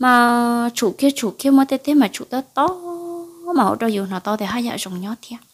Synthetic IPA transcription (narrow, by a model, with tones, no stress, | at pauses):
maː˨˩t͡ɕu˧˩ki˧ət͡ɕu˧˩ki˧əmə˨˦t̪e˧˩t̪ʰe˨˦maː˨˩t͡ɕṵ˧˨t̪ɔ˧˦t̪ɔ˧˦ | maː˨˩ho̰˧˨t͡ɕɔ˧˩zu˨˩nɔ˨˩t̪ɔ˧˦t̪e˨˩ɦaː˧˦jza̰ː˧˨zɔ˨˩ŋ͡mɲɔ˨˦t̪ʰi˧ə